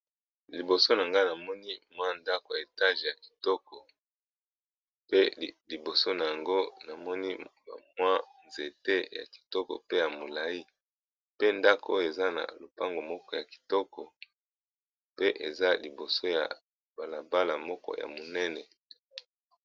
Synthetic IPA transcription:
li˨bo˨so˦na˨ŋɡa˦na˨mɔ˦ni˦mwa˦nda˦ko˨ja˨e˨ta˦ʒe˨ja˨ki̥˨tɔ˦kɔ˨ | pe˦li˨bo˨so˦na˨ja˨ŋɡo˦na˨mɔ˦ni˦ | a̰˨mwa˦nze˨te˦ja̰˨ki̥˨tɔ˦kɔ̰˨pe˦ja˨mo˨la˨i˦ | pe˦nda˦ko˨o˦jo˨e˨za˦na̰˨lo˨pa˦ŋɡo˨mɔ˦kɔ˦ja˨ki̥˨tɔ˦kɔ˨ | pe˦ʔe˨za˦li˨bo˨so˦ja̰˨ | ba˨la˨ba˦la˨mɔ˦kɔ̰˦ja̰˨mo˨nɛ˦nɛ˨

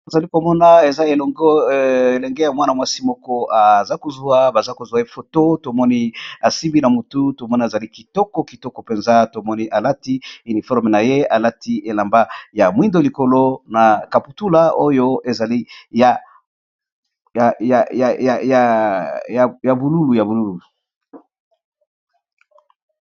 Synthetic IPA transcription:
a˨za˨li˦ko˨mɔ˦na˨e˨za˦e˨lɔ˨ŋɡɔ˦˨e˨lɛ˨ŋɡe˦ja˨mwa˦na˨mwa˦si˦mɔ˦kɔ˦a˨za˦ko˨zu˨˦a˦ba˨za˦ko˨zwa˨je˦fo˨to˦to˨mɔ˦ni˦a˨si˦mbi˦na˨mu˨tu˦to˨mɔ˦na˨e˨za˨li˦ki˨tɔ˦kɔ˨˦ki˨tɔ˦kɔ˨pe˨nza˦to˨mɔ˦ni˦ʔa˨la˦ti˦i˨ni˨fɔ˦ʁme˨na˨je˦a˨la˦ti˦ʔe˨la˨mba˦ja˨mwi˦ndo˦li˨ko˨lo˦na˨ka˨pu˨tu˦la˦o˦jo˦e˨za˨li˦ja˨ | a˨ja˨ja˨a˨ja˨ja˨ja˨bu˨lu˦lu˨ja˨bu˨lu˦lu˨

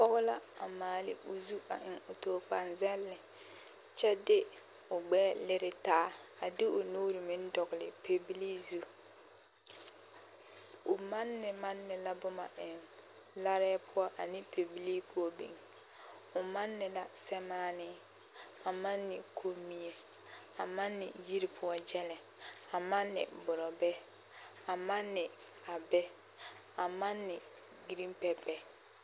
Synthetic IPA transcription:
pɔ˦ɣʊ˦la˦a˨maː˨lɪ̰˦ʊ˨zu˦a̰˨ʔɪ˨ŋʊ˨toː˨k͡pa˨nzɛ˦lːɪ˨ | t͡ʃɛ˦dɪ˦ | ʊ˨ɡ͡bɛː˦lɪ˦ɾɪ˨taː˦a˨dɪ˦ʊ˨nuː˦ɾɪ˨mɪ˦n˦dɔ˨ɡɪ˨lɪ˨pʰe˨bi˦li˦zu˦ | ʊ˨ma˦nːɪ˨ma˦nːɪ˨la˦bʊ˦ma̰˨ʔɪ˨n | la˦ɾɛː˦pʰʊ˦ɔ˦ʔa˨nɪ˦pe˨bi˦li˦ko˦bḭ˨ŋ | ʊ˨ma˦nːɪ˨la˨sɛ˦maː˦nɪ˦ | a˨ma˦nːɪ˨kʰo˦mi˦e˨ | a˨ma˦nːɪ̰˨ji˦ɾi˨pʰʊ˦ɔ˦d͡ʒɛ˦lɛ˨ | a˨ma˦nːɪ̰˨bʊ˨ɾɔ˨bɛ˦ | a˨ma˦nːɪ˨ | a˨bɛ˦ | a˨ma˦nːɪ˨ | ɡi˨ɾi˦mpɛ˨bɛ˦

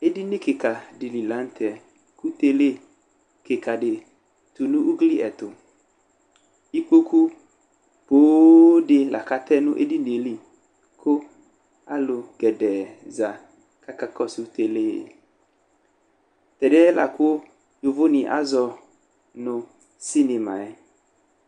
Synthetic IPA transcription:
e˦di˦nɪ˦kɪ˨ka˨dɪ˨li˨la˨˦n̩˦t̪ɛ˨ | ku˦t̪e˦le˦ | kɪ˨ka˨dɪ˨ | t̪u˨nʊ̃˦ʔu˦ɡli˦ʔɛ˨t̪ʊ˨ | i˦k͡po˦ku˦ | poː˨˦dɪ˨la̰˨ka˦t̪ɛ˦nʊ˦ʔe˦di˦ne˨li˨ | kʰʊ˦ | a˦lʊ˨ɡɛ˨dɛ˨za˨ | ka˦ka˦kɔ˦su˦t̪e˨le˦˨ | t̪ɛ˨dɛ˦la̰˨ko˦ | jʊ˨vʊ˦nɪ˨ʔa̰˦zɔ˧ | nʊ̃˨ | si˦ne˨mã̰˨ɛ˦

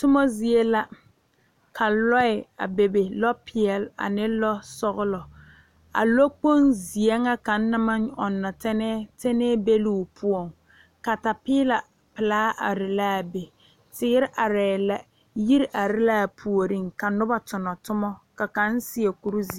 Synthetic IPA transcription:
tʊ˦mɔ˦zi˨e˦la˦ | kʰa˨lɔ˦ɪ˨a̰˨be˨be˨lɔ˦pʰɪ˨ɛ˨la̰˨nɪ˦lɔ˦sɔ˦ɣʊ˦lɔ˨ | a̰˨lo˦k͡po˦nzi˨e˦ŋa˦ka˨n̩˦na˦ma˦nɔ˨nːa˨tɛ˦nɛ˦te˦nɛː˦be˦lu˦˨pʰʊ˦ɔ˨ŋ | ka˨ta˨pɪː˦la˨ | pɪ˨laː˦ʔa̰˨ɾɪ˨la˦˨be˨ | tɪ˦ɡɪ˦ɾɪ˦ʔa˨ɾɛː˨la˦ | ji˦ɾʔa˨ɾɪ˦la˦˨pʰu˨o˨ɾi˦ŋka˨nʊ˦ba˦tʊ˨nɔ˨tʊ˦mɔ˦ka˨ka˨˦n˦si˦e˨ku˨ɾu˦zi˨˦

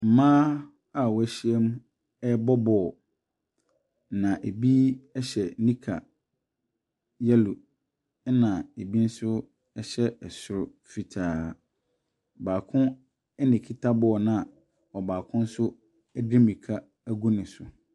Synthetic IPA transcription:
m̩˨mãː˦ | a˦˨wɔ˨˦æ˦ɕi˦ɛ˦m˦ | ɛ˦bɔ˦bɔ˨ | nã˨ʔe˨bi˦ɛ˦ɕɛ˨nĩ˦kʰa˨ | jɛ˦lu˨˦ | nã˨e˨bi˦n̩˦sʊ˦ | ɛ˦ɕɛ˦ɛ˨sʊ˨ɾʊ˨ | fi˨tʰaː˨ | baː˨kʰʊ̃˦ | ɛ˦nɪ̃˨kʰi˦tʰa˦bɔ˦ɔ˨nã˨a˨ | ɔ˨baː˨kʰʊ̃˦n̩˦sʊ˦ | ɛ˦di˦mĩ˨kʰa˦ | æ˦ɡu˦nɪ̃˨sʊ˨

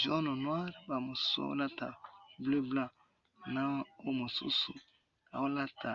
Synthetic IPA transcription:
ʒɔ˦nɔ˨nwa˦ɾba˨mo˨so̰˦la˦ta̰˨ble˦bla˦ | nã˦o˦mo˨sṵ˦sṵ˨ | a˨wo˦la˦tʰa˨

